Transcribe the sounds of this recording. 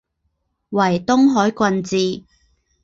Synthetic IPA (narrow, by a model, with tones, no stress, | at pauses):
wɐ˨˩jt̪ʊ˥ŋɦɔː˨˥jkʷwɐ˧nt͡siː˨˧